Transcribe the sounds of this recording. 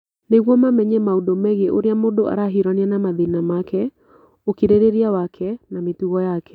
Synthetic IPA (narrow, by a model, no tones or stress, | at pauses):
neɣwɔmamɛɲɛmaudomɛɣeʔoɾeamodoʔa̰ɾaɦiɾanianamaðinamakɛ | okiɾeɾeɾiawakʰɛnametuɣɔjakɛ̥